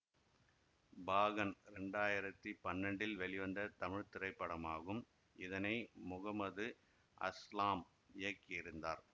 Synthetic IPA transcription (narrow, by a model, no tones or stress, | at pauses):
baːɣɐnɾɛɳɖaːjɪɾɐt̪ːipɐnːɐɳɖɪlʋɛɭɪʋɐnd̪ɐt̪ɐmɪɻt̪ɪɾɐɪpːɐɽɐmaːɣɯm | ɪðɐnɐɪmʊɣɐmɐðɯ | ʔɐ̰slaːm | ɪjɐkːɪɪɾɯnd̪aːɾ